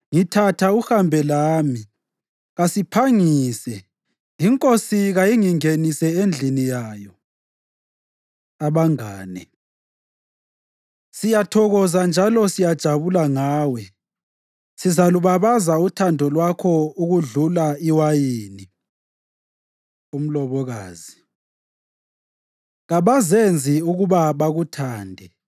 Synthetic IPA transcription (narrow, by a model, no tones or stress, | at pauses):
ŋitʰatʰauhambʱɛlaːmi | ɣasipʰaŋiiːsɛ | iŋkʼosiɣajiŋiŋenisɛend͡ɮʱinijaːjɔ | aβaŋaːnɛ | sijatʰɔɣɔzand͡ʒʱalɔsijad̥ʒ̥ʱaβulaŋaːwɛ | sizaluβaβazautʰandʱɔlwakʰɔuɣuɮulaiwajiːni | um̩lɔβɔɣaːzi | ɣaβazend͡zʱiuɣuβaβaɣutʰaːndʱɛ